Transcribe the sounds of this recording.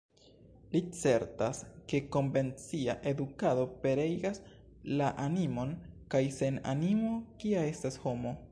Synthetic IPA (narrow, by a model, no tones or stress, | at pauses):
lit͡se̞ɾtaske̞ko̞ɱve̞nt͡siaʔe̞dukado̞pe̞ɾejɡas | laʔanimo̞nkajse̞na̰nimo̞kiae̞stasho̞mo̞